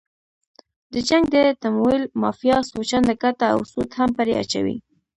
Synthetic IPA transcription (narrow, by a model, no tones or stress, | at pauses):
d̪̥əd͡ʒaŋɡd̪ət̪amoilmɑfjɑsot͡ʃand̪əkat̪aa̰wsut̪hampəɾea̰t͡ʃa̰wḭ